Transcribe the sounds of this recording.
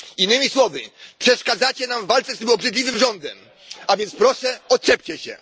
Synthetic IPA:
inːɪmʲiswɔvɨ̰pʂɛʂkad̪zat͡ɕɛnamvalt̪sɛst̪ɘmɔbʐɨd̪lʲivɘmʐɔnd̪ɛm | avʲjɛnt̪pɾɔʂɛɔt͡ʂɛp̚ʲt͡ɕɛɕɛ̰

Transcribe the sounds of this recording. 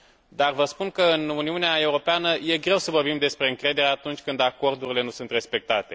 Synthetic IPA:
d̪arvəspunkəɨnuniuneae̞uɾo̞peanəje̞ɡɾe̞wsəvo̞rbimd̪e̞spɾe̞ɨŋkɾe̞d̪e̞ɾeat̪unt͡ʃʲkɨnd̪ako̞rd̪uɾile̞nusunt̪respe̞k̚t̪at̪e̞

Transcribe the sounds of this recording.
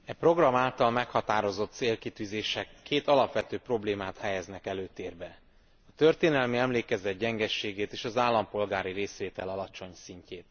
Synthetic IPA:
ɛpro̞ɡrɒmaːlt̪ɒlmɛkhɒt̪aːɾo̞zo̞t̪ːseːlkit̪yːzeːʃɛkʰːeːt̪ɒlɒpʋɛt̪øːpro̞bleːmaːt̪hɛjɛznɛkɛløːt̪eːrbɛ | ɒt̪ørt̪eːnɛlmiɛmleːkɛzɛd̪̚ɟɛŋɡɛʃːeːɡeːt̪eːʃɒzaːlːɒmpo̞lɡaːɾiɾeːsʋeːt̪ɛlɒlɒt͡ʃo̞ɲsiɲceːt̪

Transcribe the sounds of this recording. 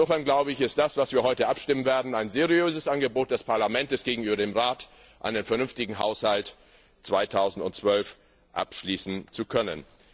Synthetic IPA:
oːfɛɐnɡlaʊbəɪçɪst̚d̥asv̥asv̥iːɐɦɔʏtəʔapʃtɪmənveːɐdn̩aɪnzeʁiøːzəsʔanɡəboːt̚d̥aspʰaɐlamɛntɛstɡ̥eːɡŋ̩yːbɐdeːmʁaːt | ʔa̰ɪnənfɛɐnʏnftɪɡŋ̩ɦa̰ʊshalt | t͡sv̥aɪtʰaʊzn̩tʊ̰ntt͡sv̥œlf | ʔa̰pʃliːsn̩t͡sukʰœnə̰n

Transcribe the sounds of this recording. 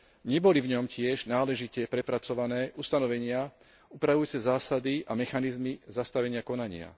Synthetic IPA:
ɲɛbɔlivɲɔmcɪɛʒnaːlɛʒicɛpɾɛpɾat͡sɔʋanɛːust̪anɔʋɛɲɪa | upɾaʋujuːt͡sɛzaːsad̪iamɛxanizmizast̪aʋɛɲɪakɔnaɲɪa̰

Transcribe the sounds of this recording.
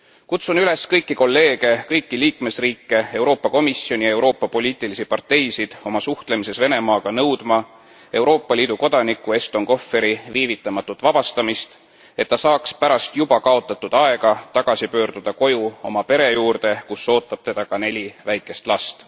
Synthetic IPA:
kut̪sunyle̞skɤjkːˑiko̞lːe̞ːɡ̥e̞kɤjkːiliːkme̞sriːkːe̞e̞wɾo̞ːpːɑko̞misːio̞nʲijɑe̞wɾo̞ːpːˑɑpo̞lʲiːt̪ˑilisipɑrt̪e̞jsid̪̥o̞mɑsuht̪le̞mise̞sve̞ne̞mɑːɡ̥ɑnɤwd̪̥mɑ | e̞wɾo̞ːpːˑɑlʲiːd̪̥uko̞d̪ɑnikːˑue̞st̪o̞ŋɡo̞fːe̞ɾiviːvit̪ːˑɑmɑt̪ːˑut̪ːˑvɑb̥ɑst̪ɑmist̪ | e̞t̪ːɑsɑːkspæɾɑst̪jub̥ɑkɑo̞t̪ːˑɑt̪ːˑud̪̥ɑe̞ɡ̥ɑt̪ɑɡ̥ɑsipø̞ːrd̪̥ud̪̥ɑko̞juo̞̰mɑpe̞ɾe̞juːrd̪̥e̞kusːo̞ːt̪ːˑɑb̥̚t̪e̞d̪̥ɑkɑne̞lʲivæjkːˑe̞st̪lɑst̪

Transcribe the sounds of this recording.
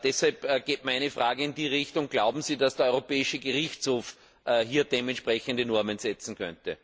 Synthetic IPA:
d̥ɛshalpːɡ̥eːtmaɪnəfʁaːɡəɪndiːʁɪçtʊŋɡ̥laʊbm̩ziːdasd̥əɐɔʏʁopɛːɪʃəɡəʁɪçt͡shoːf | ʔɦiːɐd̥eːmɛntʃpʁɛçəndənɔɐmənz̥ɛt͡sn̩kʰœ̰ntə

